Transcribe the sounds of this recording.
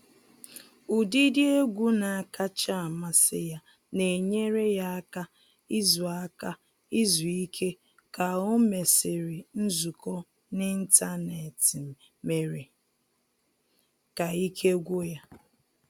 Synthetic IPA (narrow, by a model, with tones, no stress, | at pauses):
u˨di˦dɪ˦e˦ɡʷu˦na˨a˨ka˦t͡ʃa˦˨ma˦sɪ˦ja˦ | ne˨ɲe˦ɾe˦ja˦a˦ka˦ | i˦zu˨a˦ka˦ | i˦zu˨i˦kʰe˦ | ka˨o˦me˨sɪ˨ɾi˨n̩˦zu˨kɔ˦ | nɪ˦n̩˦ta˦ne˨ti˨ | me˨ɾe˨ | ka˨i˦kʰe˦ɡʷo˦ja˦